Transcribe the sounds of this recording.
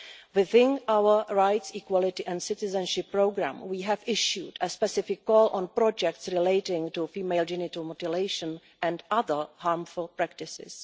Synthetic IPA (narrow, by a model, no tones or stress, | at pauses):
wɪθɪ̃nʔawə˞ɹajtsikwɔlɪtɪʔɛ̃ndsɪtɪzɛ̃nʃɪpːɹoɡɾã̰mwiːɦɛvɪʃjudəspɛsɪfɪkːɔːlʔɔ̃npɾɔd͡ʒɛk̚tsɹɪleɪtɪ̃ŋtufiːmeɪld͡ʒɪnɪtumotɪleɪʃə̃n | ʔɛ̃ndaðə˞haːɾmfʊlˠpɾæk̚tɪsɪ̰s